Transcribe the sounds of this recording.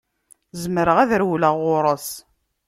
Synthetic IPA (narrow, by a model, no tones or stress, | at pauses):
zəmɾəʁæðɾwləʁʊɾˤəs